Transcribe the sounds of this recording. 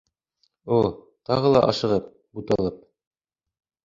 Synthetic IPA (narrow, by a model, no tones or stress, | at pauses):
u | t̪ɑʁɤlˠɑ̰ʔɑʃɤ̆ʁɤp̚ | but̪ɑlˠɤp̚